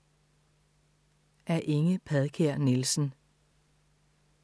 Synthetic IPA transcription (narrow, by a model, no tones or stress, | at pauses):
ʔæɐʔe̝ŋəpʰɛðˠkʰeɐ̰nelsn̩